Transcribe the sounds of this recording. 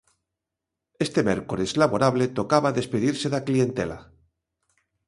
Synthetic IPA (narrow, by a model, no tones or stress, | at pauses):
e̞st̪e̞meɾkolezlaβoɾaβle̞t̪o̞kaβaðe̞speðiɾse̞ðaklie̞nt̪e̞̰la̰